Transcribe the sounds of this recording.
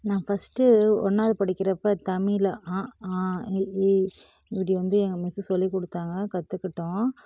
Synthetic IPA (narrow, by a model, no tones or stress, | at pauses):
nãːfɐsʈɯɔ̰nːaːðɯpɐɽɪkːɪɾɐpːɐt̪ɐmɪlɐʔãːaː | ɪpɐɽiʋɐnd̪ɯɛŋɡɐmɪsɯsɔlːikɔɽɯt̪ːaːŋɡɐkɐt̪ːɯkːɪʈːõ